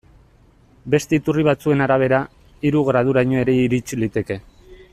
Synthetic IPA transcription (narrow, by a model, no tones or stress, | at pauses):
be̞st̪eit̪uriβ̞at͡sue̞naɾaβ̞e̞ɾa | iɾuɣɾað̞uɾaɲo̞e̞ɾe̞iɾit͡ʃilit̪e̞ke̞